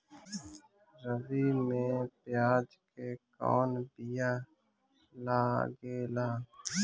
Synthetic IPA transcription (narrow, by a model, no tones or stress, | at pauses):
ɾəʋimẽpɪjaːd͡ʒkekɔ̰ːnb̪ɪjaː | laːɡeːlaː